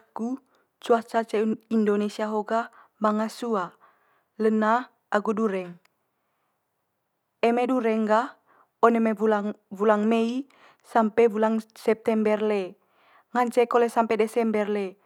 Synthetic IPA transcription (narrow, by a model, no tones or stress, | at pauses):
aku | t͡ʃuat͡ʃat͡ʃɛindonesiaɦoɡa | maŋasua | ləna | aɡuduɾɛŋ | ɛmeduɾɛŋɡa | onemeulavulaŋmei | sampɛvulaŋsɛp̚t̪ɛmbɛrle | ŋaɲt͡ʃɛkolɛsampɛdɛsɛmbɛrle